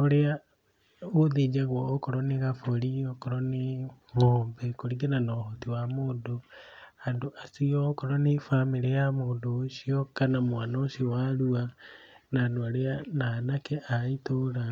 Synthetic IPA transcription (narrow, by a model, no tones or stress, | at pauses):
oɾea | oðid͡ʒaɣwoːkoɾoniɣafoɾiokoɾoni | moːmbekoɾiɡenanohotiwamodohandoʔasiokoɾonifamiɾejamodoʃiokanamwanoʃiwaɾuanaːndoaɾeananakeʔaitoɾa